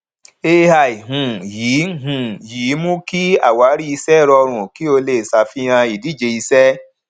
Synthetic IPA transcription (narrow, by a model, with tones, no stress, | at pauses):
e˧ha˨i˨ɦũ˨jiː˨˦˨ɦũ˨jiː˨˦mũ˦ki˦a̰˦˨wa˨˦ɾi˦i˧sɛ˦˨ɾɔ˧ɾ̃ũ˨ki˦o˧le˦˨sa˧˨fi˦j̃ã˧i˨di˨˦˨d͡ʒe˧i˧sɛ˦